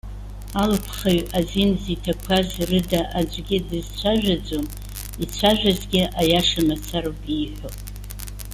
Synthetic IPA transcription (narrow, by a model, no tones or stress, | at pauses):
alpʰχaɥazinzitʰakʷʰazrɨdaʔad͡ʒʷʼɡʲɪdɨzt͡sʷʰaʒᶣad͡zʷʼom | it͡ɕʷʰaʒᶣazɡʲɪajaʂamat͡sʰaɾopʼiħʷo